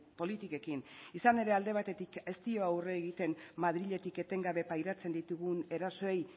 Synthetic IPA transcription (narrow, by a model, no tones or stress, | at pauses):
po̞lit̪ike̞kinisane̞ɾe̞ald̪e̞β̞at̪e̞t̪ike̞st̪io̞awreːɣit̪e̞nmaðɾiʎe̞t̪ike̞t̪e̞ŋɡaβe̞pajɾat͡se̞nd̪it̪uɣune̞ɾaso̞e̞j